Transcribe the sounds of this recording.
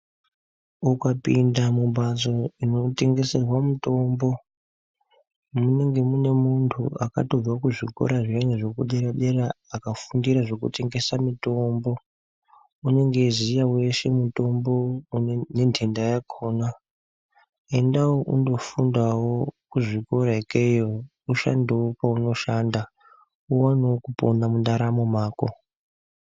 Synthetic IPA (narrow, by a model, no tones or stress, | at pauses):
ukapindamumbazo̞ino̞te̞ŋɡe̞se̞rwamuto̞mbo̞ | mune̞ŋɡe̞mune̞muntʰṵʔa̰ka̰to̞d͡zwakuʐikʰo̞̰ɾaʐijaɲeʐo̞kuɗe̞ɾaɗe̞ɾaːkafundiɾaʐo̞kṵte̞ŋɡe̞samito̞mbo̞ | une̞ŋɡe̞zijawe̞ʃe̞muto̞mbo̞ne̞ntʰendajakʰoːna | e̞ndawoʔundo̞fundawokuʐiko̞ɾaikejo | uʃa̰ndewopauno̞ʃanda | uwanokuponamundaɾamo̞maːko̰